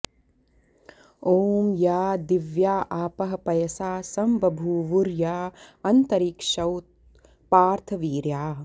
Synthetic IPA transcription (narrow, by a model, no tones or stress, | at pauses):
oːmjaːd̪iʋjaːʔaːpɐɦɐpɐjɐsaːsɐmbʱɐbʱuːʋuɾjaːɐnt̪ɐɾiːkʂɐwt̪̚ | paːɾt̪ʰɐʋiːɾjaː